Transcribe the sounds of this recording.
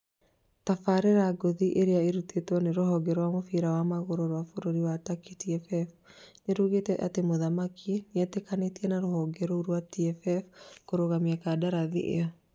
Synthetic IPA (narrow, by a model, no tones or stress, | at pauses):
tafaɾeɾaɡoðiʔeɾeaeɾutetɔneɾoɦɔɡɛɾɔwamofiɾawamaɣoɾoɾwafoɾoɾiwatakitiɛfɛf | neɾuɣetɛʔa̰temoðamakʰineɛtekanetiɛnaɾohɔɡɛɾɔuɾwatiɛfɛfkoɾoɣamiakadaɾaðḭʔḛɔ